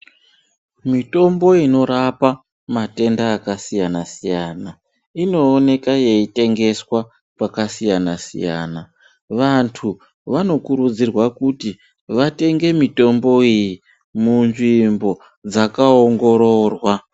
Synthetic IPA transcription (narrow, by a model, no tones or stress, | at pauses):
mito̞mbo̞ino̞ɾapa | mate̞ndaːkasijanasijana | ino̞ːne̞kaje̞ite̞ŋɡe̞swa | pakasijanasḭja̰ːna | ʋantʰu | ʋano̞kuɾud͡zirwakuti | ʋate̞ŋɡe̞mito̞mbo̞iji | munʐimbo̞ | d͡zakaoŋɡo̞ɾo̞ːrwa